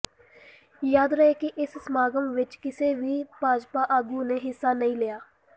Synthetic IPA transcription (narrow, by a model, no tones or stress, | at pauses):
jaːd̪ɾəɦeːkɪʔɪssmaːɡəmʋɪt͡ʃkɪseːʋiːpaːd͡ʒpaːʔaːɡuːneːɦɪsːaːnəĩːlɪjaː